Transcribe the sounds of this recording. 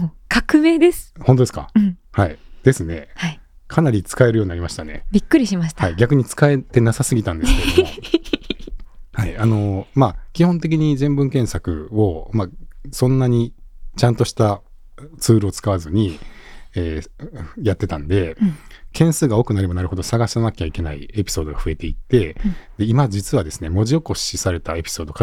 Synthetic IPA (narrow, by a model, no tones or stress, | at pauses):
mokʰakɯ̟me̞ːd̪esɨ̥hõnt̪oesɨ̥kã̰haid̪̥e̞sɨne̞̰hai | kʰanaɾʲit͡sɨ̥kae̞ɾɯjo̞ɲ̟inaɾʲimaɕi̥t̪ane̞̰bʲikːɯ̟ɾʲiɕimaɕi̥h̪aaiɡʲakɯ̟ɲ̟it͡sɨ̥kae̞t̪e̞nasasɨɡʲit̪ãnd̪e̞sɨ̥kedoo | haiano̞makʲihõ̞nt̪e̞kʲiɲ̟izẽ̞mbɯ̟̃ŋkẽ̞ɰ̃sakɯ̟̰o̞masõ̞nːaɲ̟it͡ɕãnt̪o̞ɕi̥t̪a | t͡sɨːɾɯ̟o̞t͡sɨ̥kaβazɨɲ̟i | eːjat̪ːe̞t̪ãnd̪e̞kʰẽ̞ɰ̃sɨːɡao̞ːkɯ̟naɾe̞banaɾɯ̟ho̞d̪osaɡaɕi̥sanakʲet͡ɕaike̞naḭe̞pʲi̥so̞ːd̪o̞ɡaɸɯ̟e̞t̪e̞it̪ːe̞d̪e̞imad͡ʑit͡sɨβad̪e̞sɨne̞mo̞ʑio̞ko̞ɕisaɾe̞t̪ae̞pʲi̥so̞ːd̪o̞ka